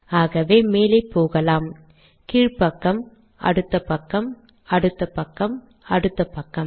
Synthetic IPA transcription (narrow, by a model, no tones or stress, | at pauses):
aːɣɐʋeːmeːlɐɪpːoːɣɐlaːm | kiːɻpɐkːɐm | ʔɐ̰ɽɯt̪ːɐpɐkːɐm | ɐ̰ɽɯt̪ːɐpɐkːɐm | ɐɽɯt̪ːɐpɐkːɐm